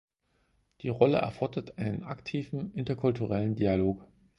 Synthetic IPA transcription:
d̥iːʁɔləʔɛ̰ɐfɔɐdɐtʔaɪnənʔa̰ktʰiːvn̩ʔɪntɐkʰʊltuʁɛləndialoːk

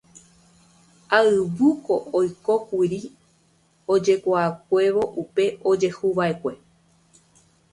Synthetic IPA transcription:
aɨβɨko̞ʔojko̞kʷiɾi | od͡ʒe̞kʷaːk̚ʷe̞ʋo̞ʔupe̞o̞d͡ʒe̞huʋae̞kʷe̞

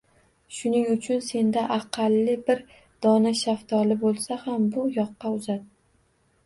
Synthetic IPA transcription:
ʃʊnɪŋʊt͡ʃʰʊnse̞nd̪aʔɑqʰɑlːɪbɪɾ | d̪̥ɒnaʃaft̪ʰɒlɪbolˠsahambʊjɒqːɑʊzat̪̚

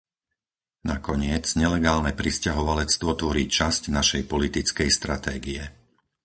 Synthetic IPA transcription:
nakɔɲɪɛt͡sɲɛlɛɡaːlnɛpɾiscaɦɔʋalɛt͡st̪ʋɔt̪ʋɔɾiːt͡ʃascnaʃɛjpɔlit̪it͡skɛjst̪ɾat̪ɛːɡiɛ

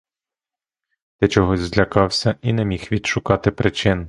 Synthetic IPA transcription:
d̪̥ɛt͡ʃɔɦɔzʲzlʲɐkɑwsʲɐinɛmʲixʋʲid̪ʃʊkɑt̪ɪpɾɪt͡ʃɪn

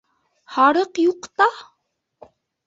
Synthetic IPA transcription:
hɑɾɤqjuqt̪ɑ

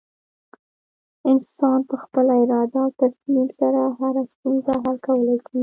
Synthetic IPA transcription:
ɪnsɑnpəxpəlaɪɾɑd̪at̪asmimsaɾaɦaɾast̪unzaɦalkawəlajkwi

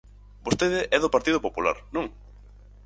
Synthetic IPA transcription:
bost̪eðɪʔɛðopaɾt̪ið̞opopula̰ɾnũŋ

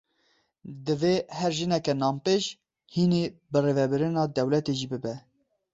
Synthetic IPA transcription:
d̪ɨvehɛɾʒɨnɛkɛnɑːmpeːʃ | hinebɨrevɛbɨɾɨnɑːd̪ɛwlɛt̪eʒibɨbɛ

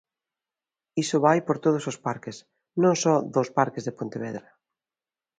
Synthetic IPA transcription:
isʊβajpoɾt̪oð̞ʊsospaɾkɪs | nõŋsɔðospaɾkɪzðepont̪eβ̞ɛðɾa

